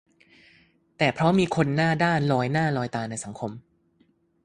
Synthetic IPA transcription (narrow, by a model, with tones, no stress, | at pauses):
t̪ɛː˨˩pʰɾɔ˦˥miː˧kʰo˧nːaː˥˩daː˥˩nlɔː˧jnaː˥˩lɔː˧jt̪aː˧na˧jsa˩˦ŋkʰo˧m